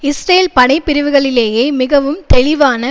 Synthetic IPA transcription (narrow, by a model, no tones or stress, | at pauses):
ɪsɾejlpɐnɐɪpːɪɾɪʋɯɣɐɭɪleːjeːmɪɣɐʋɯmt̪ɛɭɪʋaːnɐ